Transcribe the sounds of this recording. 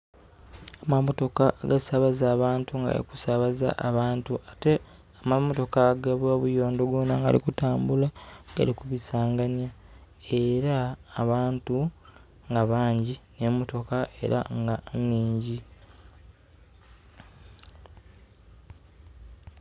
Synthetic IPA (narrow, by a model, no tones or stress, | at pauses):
amamo̞to̞kaɡasaβazaːβaːntuŋɡa̰ɾḭku̥saβaza̰ʔaβaːntuate̞ | amamoto̞kaɡaβaβujo̞ːndoɡwonaŋɡa̰lḭkutaːmbulaɡ̥a̰likuβisaːŋɡanja | e̞ɾaːβaːntu | ŋɡaβaːɲɟine̞mo̞to̞kaʔe̞̰ɾa̰ŋɡaɲːiːɲɟi